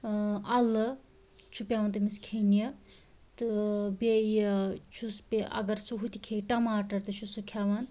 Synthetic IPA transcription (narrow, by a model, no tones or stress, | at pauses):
ɐlɨ | t͡ʃʰupjaːʋɐnt̪ɨmiskʰenjɐ | t̪ɨbejt͡ʃʰuspeʔɐ̰ɡɐɾsuɦut̪ʰikʰeʈɐmaːʈɐɾt̪ɨt͡ʃʰusɨkʰaʋan